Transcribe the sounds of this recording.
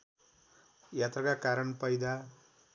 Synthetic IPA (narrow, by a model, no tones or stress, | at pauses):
jat̪rʌkakaɾʌnpʌjd̪a